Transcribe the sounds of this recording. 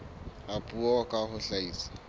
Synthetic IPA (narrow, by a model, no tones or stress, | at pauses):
apʼuɔkʼahʊɬaiːsḁ